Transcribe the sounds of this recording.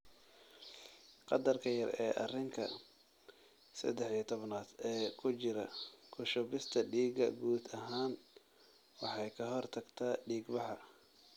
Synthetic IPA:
qɑd̪ɐrkʰɐjɐrɛːʔɐ̰rɪŋkʰɐ̰ | sɐ̰d̪ɛħit̪ʰɔβnaːd̪ɛːkʰʊt͡ʃɪɾɐkʰʊʃɔbɪst̪ʰɐɖiːɡɐ̰ɡuːd̪ɐɦaːn | wɑħɑjkʰɐɦɔrt̪ʰɐɡt̪ʰaːɖiːɡbɑħɑ

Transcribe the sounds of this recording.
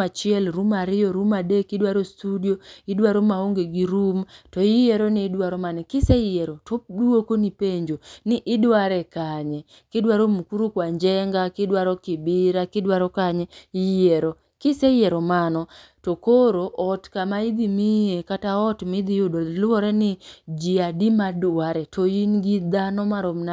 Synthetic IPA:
at͡ʃɪɛlɾumaɾɪjɔɾumadekɪdwaɾostudioidwaɾomaoŋɡeɡiɾumtɔijeɾonɪːdwaɾɔmanɛkɪsɛɪjɛɾotoduokonipeɲd͡ʒonɪʔɪdwaɾɛkaɲɛ | kɪdwaɾomukuɾukwaɲd͡ʒɛŋɡakɪdwaɾɔkibɪɾakɪdwaɾɔkaɲɛijeɾo | kɪsɛjɛɾɔmanɔ | tokoɾoʔɔtkamaid̪imijekataɔtmɪd̪ijodolɔɾɛnɪd͡ʒiadimadaɾɛtʰoinɡid̪anɔmaɾomna

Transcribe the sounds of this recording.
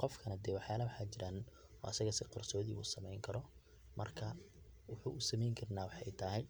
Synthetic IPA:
qɔfkʰɐnɐd̪ɛːwɑħjaːlɐwħaːt͡ʃɪɾaːn | ɔ̰ːɐsɐɣɐsɪqɔrsɔːðḭːṵːsɐmɛjŋkʰɐɾɔ | mʔɐ̰rkʰɐwʊħuːʔʊsɐmɛjŋkʰɐrnaːwɑħɛjt̪ʰɐɦɛj

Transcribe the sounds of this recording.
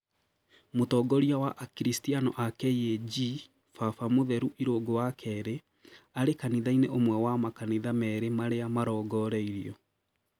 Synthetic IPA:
motɔɡɔɾiawaʔkiɾistianɔʔakɛjed͡ʒi | fafamoðɛɾuʔiɾoɡowakʰɛɾe | aɾekaniðaineʔomwɛwamakaniðamɛɾemaɾeamaɾɔːɡɔɾɛiɾiɔ

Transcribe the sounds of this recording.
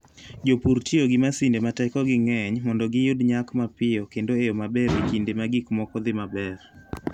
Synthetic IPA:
d͡ʒopuɾtioɡɪmasindematɛkɔɡɪŋɛɲmɔndɔɡɪjodɲakmapɪɔkendoeomabɛɾekindemaɡikmɔkɔd̪ɪmabɛr

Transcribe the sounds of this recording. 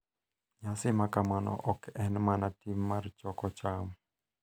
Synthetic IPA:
ɲasimakamanɔ̰ʔɔkɛnmanatimːaɾt͡ʃɔkɔt͡ʃam

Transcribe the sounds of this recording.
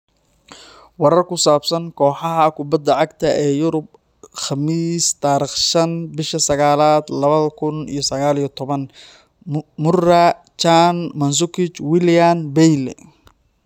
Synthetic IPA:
wɑɾɐrkʊsaːbsɐŋkʰɔːħɑɦɐkʰʊbɐd̪ːɐʕɑɡt̪ʰɐʔɛːjʊɾʊb̚ | χɑmiːst̪ʰaːɾiːχʃɐnbɪʃɐsɐɣaːlaːd̪lɐβɐðɐkʰʊnḭjɞsɐɣaːlijɔt̪ʰɔβɐn | mʊrɐ | t͡ʃanmɐns̬ʊkɪt͡ʃwɪljanbɛjlɛ̰

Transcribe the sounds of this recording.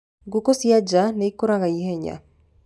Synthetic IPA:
ɡukosiad͡ʒanɛikoɾaɣaiheɲa̰

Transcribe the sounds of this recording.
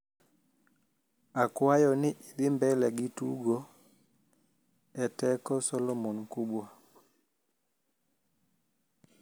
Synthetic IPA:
akwajɔnɪʔiɾimbɛlɛɡituɡɔ | ɛtɛkɔsɔlɔmɔnkuɓwa

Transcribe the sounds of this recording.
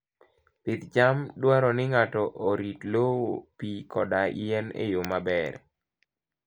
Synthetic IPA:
pɪt̪d͡ʒamdwaɾɔnɪŋatɔʔoɾitlowopikʰɔdaiɛnḛjomabɛɾ

